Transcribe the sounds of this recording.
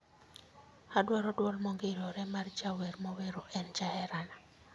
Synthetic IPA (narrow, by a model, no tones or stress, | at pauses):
hadwaɾɔdwɔlmɔŋɡeɾɔɾɛmard͡ʒawɛrmɔweɾoʔɛnd͡ʒahɛɾana